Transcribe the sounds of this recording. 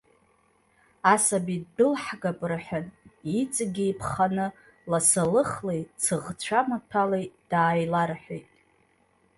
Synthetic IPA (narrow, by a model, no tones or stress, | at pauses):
asabidɨlħɡapʼrħʷᶣanit͡sʼɡʲijpʰχanɨ | lasalɨχlejt͡sʰɨʁt͡ɕʷʰamatʰalejd̥aːjlarħʷᶣejtʼ